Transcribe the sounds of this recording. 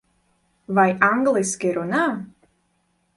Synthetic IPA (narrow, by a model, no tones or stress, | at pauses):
vajaŋɡlˠiskʲiɾuna